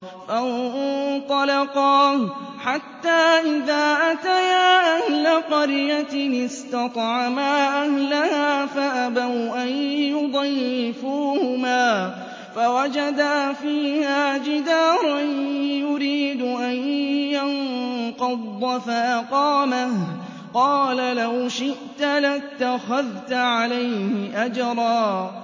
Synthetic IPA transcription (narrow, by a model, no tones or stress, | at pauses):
fa | t̪ˤɑlɑqɑːħat̪ːaːʔɪðaːʔat̪ajaːʔahlaqɑɾjaɪst̪ɑt̪ˤʕamaːʔahlahaːfaʔabawʔanjʊd̪ˤɑjːɪfuːhʊmaː | fawad͡ʒad̪aːfiːhaːd͡ʒɪd̪aːɾˤɑjʊɾiːd̪ʊʔanjanqɑd̪ˤːɑfaʔaqɑːmah | qɑːlalawʃɪʔt̪alat̪ːaxaðt̪aʕalajhɪʔad͡ʒɾˤɑː